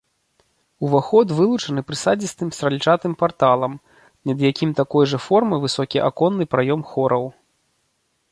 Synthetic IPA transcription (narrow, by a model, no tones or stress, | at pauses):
uvaxɔd̪vɨlˠut͡ʂɐnɨpɾɨsad͡zʲist̪ɨmst̪ɾɐlʲit͡ʂat̪ɨmpart̪alˠɐm | nʲɐd̪jakʲimt̪akɔjʐɐfɔrmɨvɨsɔkʲiʔakɔnːɨpɾajɔmxɔɾɐw